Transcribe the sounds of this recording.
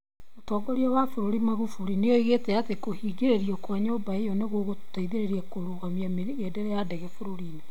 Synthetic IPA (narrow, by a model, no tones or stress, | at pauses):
otɔːɡɔɾiɔwafoɾoɾimaɣufuɾinejɔiɣetɛatekohiːɡeɾeɾiɔkwaɲoːbaejɔneɣoɣotaiðeɾeɾiakoɾoːɣamiame | edɛɾɛjadɛɣɛfoɾoɾiːna